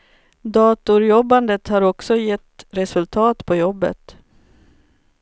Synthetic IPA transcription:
d̪ɑːt̪ʊɾjɔbːand̪ət̪haɾɔksɔjɛt̪ːɾɛsɵlt̪ʰɑːt̪pʰɔjɔbːə̰t̪

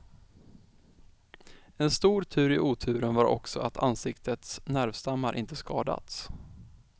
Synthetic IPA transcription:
ɛnst̪uːɾt̪ʰʉ̟ːɾɪʔuːt̪ʰʉ̟ːɾənvaɾɔ̰ksɔat̪ʰansɪkt̪ʰət̪snæɾvst̪amːaɾʔɪnt̪əskɑːd̪a̰t̪s

